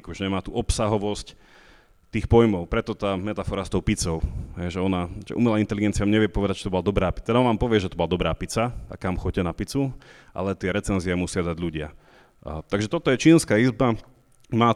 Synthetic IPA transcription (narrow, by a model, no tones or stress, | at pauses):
kuʒɛɲɛmaːt̪uʔɔpsaɦɔʋɔsc | t̪iːxpɔjmɔʊpɾɛt̪ɔt̪aːmɛt̪afɔɾast̪ɔʊpit͡sɔʊɦɛjʒɛɔnaʒɛ̰ṵːmɛlaːint̪ɛliɡɛntt͡sɪjamɲɛʋɪɛpɔʋɛd̪ac̚t͡ʃi̥t̪ɔbɔlad̪ɔbɾaːpit̪ɛd̪aɔnʋaːmpɔʋɪɛʒɛt̪ɔbɔlad̪ɔbɾaːpit͡saa̰kamxɔcɛnapit͡suʔa̰lɛt̪ɪɛɾɛt͡sɛnziɛmusɪad̪aɟʎuɟɪa̰ | t̪aɡʒɛt̪ɔt̪ɔjɛt͡ʃiːnskaːizba | maː